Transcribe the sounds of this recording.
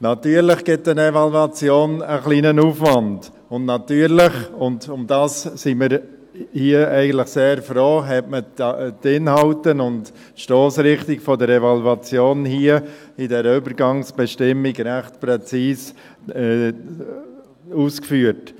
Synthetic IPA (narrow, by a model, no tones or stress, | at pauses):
nɑtyːəɾlɪχɡ̥ɪtənɛvɑluɑt͡sjoːnəχliːnənuːfʋɑnd | ʊndnɑtyːəɾlɪχʊndʊmdɑːssiməɾ | hiːəɛɪɡən̩tlɪχseːɾfɾoːɦɛtmətɪnhɑltənʊnd | ʃtoːsɾɪχtiɡfɔdəɾɛvaluɑt͡sjoːnhiːə | idɛɾʏbəɾɡɑŋsb̥ɛʃtɪmːiɡɾæχtpɾɛt͡siːs | ɛ | uːskfyːət